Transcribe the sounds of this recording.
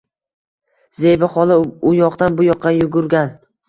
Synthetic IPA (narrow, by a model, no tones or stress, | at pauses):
zejbɪχɒlˠɪʊjɒqt̪anbʊjɒqːɑjʊɡʊɾɡʲan